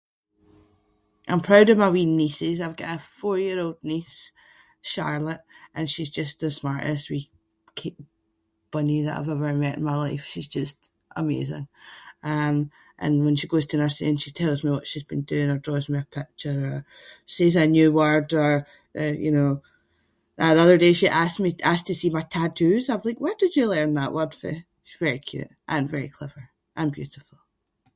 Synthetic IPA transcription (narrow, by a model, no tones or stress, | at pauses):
ʔãɪ̃mpʰɹ̥aʊɾəvmawinːisɪzaɪvɡɔʔəfɔɹjiɹolˠdⁿnis | ʃa̰ɹlˠəʔʔə̃nʃizd͡ʒʌstəsmaɹʔə̰swi | kʰeʔ | b̥ʌniðə̰ʔa̰ɪvɛvə˞mɛʔɪ̰̃n̩maɪlˠaɪfʃizd͡ʒʌst | ʔə̰mḛzɪ̰̃ŋʌ̃m | ʔə̰̃nwə̃nʃiɡoz̥tʰənɜ˞sɪ̰ə̃nʃitʰɛlˠzmiwɔʔʃizbĩndʉɪ̃ŋə˞dɹɔzmiəpʰɪk̚t͡ʃə˞ə˞ | sezənjʉːwɜ˞də˞ | jɨ̰noː | əʔʌðə˞deʃiʔassmiastʰəsimaɪtʰatʰʉzaɪvlˠaɪkwɛdəd͡ʒʉlˠiɹə̃nðə̰ʔwɜ˞d̥fɪ̰ | ʃizvɛɹikʰj̥ʉ̰ʔ | ʔə̃nvɛɹḭkʰl̥ɛvə˞ | ʔə̃nbjʉ̰ʔɪfl̩ˠ